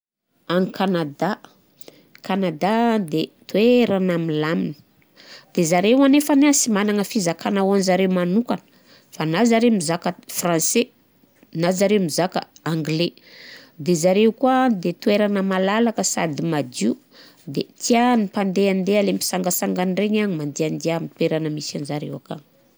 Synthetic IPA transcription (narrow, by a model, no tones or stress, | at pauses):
aŋikanad̪a | kanad̪ad̪et̪ueɾanamilaminə̥ | d̪̥ezaɾewanefaneasimanaŋəfizakanawanzaɾewmanukanə̥ | fanazaɾemizakəfrãse | nazaɾewmizakə̰aŋɡle | d̪ezaɾewkuad̪et̪ueɾanəmalalakəsa̰d̪imad̪iu | d̪et̪ianipand̪eand̪ealempi̥saŋɡəsaŋɡanreɲaɲimand̪eand̪eamit̪weɾanəmisanzaɾḛwaka̰n